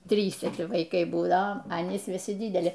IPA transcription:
ˈtʲrʲiːsʲɛ ʋɐɪˈkɐɪ buːˈdɐoː ɐ ɐˈnʲiːs ʋʲɪˈsʲɪ ˈdʲiːdʲɛlʲɪ

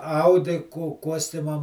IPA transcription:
ˈɐʊdʲɪ kʊ ˈkuɔsʲtʲɪmɐm

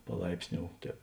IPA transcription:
pɐˈlˠɐɪpʲsʲˌnʲoːʊ ˈtʲɛːp

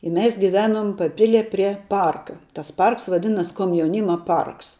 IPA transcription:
ɪ ˈmʲɛs ɡʲɪˈʋʲæːnʊm pɐˈpʲɪlʲiɛ pʲrʲiɛ ˈpɐrkɐ tɐs ˈpɐrks ʋɐˈdʲɪnɐs koːmʲjɛʊˈnʲiːmɐ ˈpɐrks

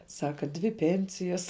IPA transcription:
ˈsɑːkɐ dʲʋʲɪ ˈpʲɛnʲsʲɪjɛs

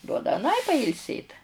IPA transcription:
ˈduɔdɐ ɐˈnɐɪ pɐɪlʲˈsʲeːt

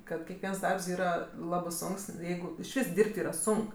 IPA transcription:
kɐt kʲɛkˈʋʲiɛns ˈdɐrps ˈiːrɐ ˈlˠɑːbɜ ˈsoːŋks ˈjɛɪɡʊ ɪʃʲˈʋʲiːs ˈdʲiːrʲpʲtʲ ˈiːrɐ ˈsʊŋk

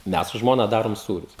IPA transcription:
ˈmʲɛs sʊ ˈʒmoːnɐ ˈdɑːroːm ˈsuːrʲʊs

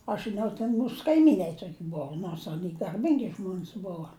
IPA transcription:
ɐʃ ʒʲɪˈnɐʊ tʲɛn ˈmuːs kɐɪˈmʲiːnɐɪ ˈtoːkʲɪ ˈbʊʋʊ noːrs ɐˈnʲiː ɡɐrʲˈbʲɪŋʲɡʲɪ ˈʒmoːnʲs ˈboːʋɐ

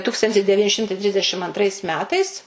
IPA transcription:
ˈtuːkstɐnʲtʲɪs dʲɛˈʋʲiːnʲɪ ˈʃʲɪmtɐɪ ˈtʲrʲɪzʲdʲɛʃʲɪm ɐntˈrɐɪs ˈmʲæːtɐɪs

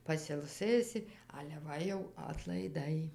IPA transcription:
pɐsʲɪlˠˈsɘsʲɪ ɐlʲɛ ˈʋɐ jɛʊ ɐtlˠɐɪˈdɐɪ

